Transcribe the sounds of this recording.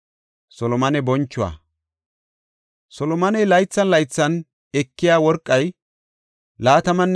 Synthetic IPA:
sɔlɔmɐnɛbɔnt͡ʃːʊwa̰ | sɔlɔmɐnɛjlɐjt͡sːɐnlɐjt͡sːɐn | ɛkːɪjaːwɔɾkʼːɐj | laːt̪ɐmɐnː

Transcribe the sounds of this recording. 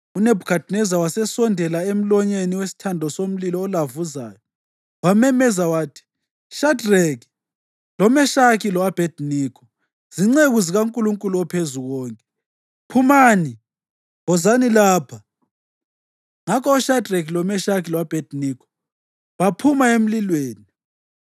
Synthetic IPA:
unebʱukʰad̥nɛzawasɛsɔndʱɛlaem̩lɔɲeniwesi̥tʰandʱɔsom̩lilɔːlavuza̰ːjɔ | wamɛmɛzawaːtʰi̥ | ʃadreki̥ | lɔmɛʃakʰilɔwab̥ʱed̥niːkʰɔ̥ | z̥iŋ͡ǀeɣuziɣauŋkʼuluŋkʼuluɔpʰezuɣɔːŋkʼɛ | pʰumaːni | ɔzanilaːpʰa | ŋakʰɔɔʃadrek̬lɔmɛʃakʰilɔwab̥ʱed̥niːkʰɔ̥ | βapʰumaem̩lilweːni

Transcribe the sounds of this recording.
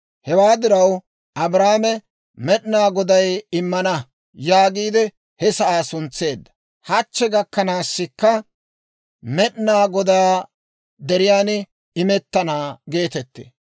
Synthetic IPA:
hɛwaːd̪ɪɾɐw | ʔɐbɾaːmɛ | mɛɗnaːɡɔd̪ɐjɪmːɐnɐ | jaːɡiːd̪ɛ | hɛsɐʔaːsʊnt͡sːe̞ːd̪ːɐ̥ | hɐt͡ʃːɛɡɐkːɐnaːsːɪkːɐ | mɛɗnaːɡɔd̪aː | d̪ɛɾɪjaːn | ɪmɛt̪ːɐnaːɡe̞ːt̪ɛt̪ːḛː

